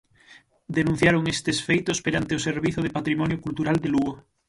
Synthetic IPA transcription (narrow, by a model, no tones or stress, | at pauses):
d̪enũn̟θjaɾoŋest̪esfejt̪ospeɾant̪eʊseɾβiθʊð̞epat̪ɾimɔnjokult̪uɾald̪eluɣo